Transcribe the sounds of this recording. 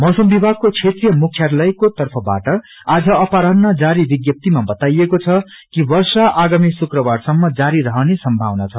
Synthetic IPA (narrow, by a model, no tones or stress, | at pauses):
mʌwsʌmbibʱaɡ̚kot͡sʰet̪rijʌmukʰjaɾlʌjkot̪ʌrpʰʌba̰ʈʌ | ad͡zʌʌpaɾʌnːad͡zaɾibiɡjʌp̚t̪imabʌt̪ajekot͡sʰʌ | kibʌrsaʔaɡamisukrʌbarsʌmːʌd͡zaɾiɾʌɦʌnesʌmbʱawnat͡sʰʌ